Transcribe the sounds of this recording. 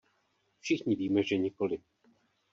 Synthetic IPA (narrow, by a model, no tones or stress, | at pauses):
fʃɪxɲɪviːmɛʒɛɲɪko̞lɪ